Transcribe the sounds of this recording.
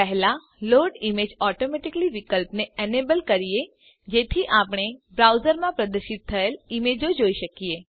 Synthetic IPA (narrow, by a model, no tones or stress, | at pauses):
pɛɦla | loːɖɪmeːd͡ʒɔːʈoːmɛːʈɪkəliʋɪkəlpneɛːneːbəlkɐɾie | d͡ʒeːt̪ʰiʔaːpɽ̃ebɾaːʊzəɾmãpɾɐd̪əɾʃɪt̪̚t̪ʰːəəlɪmeːd͡ʒod͡ʒoːiʃɐkieː